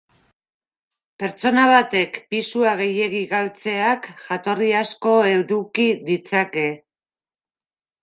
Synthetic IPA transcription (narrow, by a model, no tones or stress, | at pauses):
pe̞ɾt͡so̞naβ̞at̪e̞kpisuaɣ̞e̞je̞ɣiɣalt͡se̞akʝat̪o̞riasko̞e̞wðukiðit͡sake̞